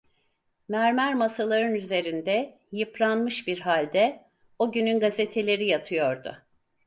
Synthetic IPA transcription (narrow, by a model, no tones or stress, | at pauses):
mæɾmæɾmasalˠaɾɯnyze̞ɾind̪ɛ | jɯpɾˠanmɯʃbiɾɦalʲd̪ɛ | oɟynynɡazet̪ʰe̞lʲe̞ɾijat̪ʰɯjo̞ɾd̪ʊ̰